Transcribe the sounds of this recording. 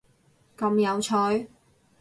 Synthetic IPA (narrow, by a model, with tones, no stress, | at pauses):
kɐ˧mjɐ˨˧wt͡sʰɔ˨˧˥ɥ